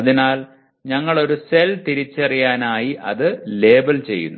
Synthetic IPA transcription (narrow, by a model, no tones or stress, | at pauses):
ɐðinaːl | ɲɐŋːɐɭo̞ɾuse̞lt̪iɾit͡ɕːɐrijaːnaːjiʔɐ̰ðɨle̞ːbɐlt͡ɕe̞̰jːṵnːu